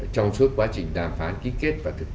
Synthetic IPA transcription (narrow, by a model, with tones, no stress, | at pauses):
t͡ɕɔ˧wŋ͡msɨ˦˥əkwaː˨˦t͡ɕï˨˩ŋ̟ɗaː˨˩mfaː˨˦nki˨˦ke˦˥t̚vaː˨˩t̪ʰɨ˨˩k̚